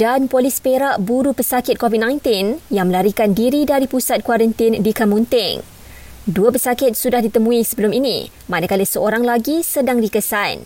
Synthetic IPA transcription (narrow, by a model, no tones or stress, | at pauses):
d̥anpolispeɾaʔbuɾupəsakɪt̪̚kovit̚nãjnt̪ɪnjaŋmə̃laɾikandiɾidaɾipusat̪̚kwaɾənt̪ɪndikamũnt̪ɪŋ | duəpəsakɪt̪̚sudahdit̪əmũisəbəlʊminḭ | manakalisəoɾaŋlaɡisədaŋdikəsan